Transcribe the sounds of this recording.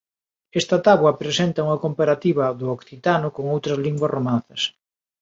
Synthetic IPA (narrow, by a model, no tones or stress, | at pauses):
ɛst̪ɐt̪aβwɐpɾesent̪ɐuŋɐkompaɾat̪iβɐðʊɔkθit̪anʊkoŋowt̪ɾɐzliŋɡwɐsromanθɐs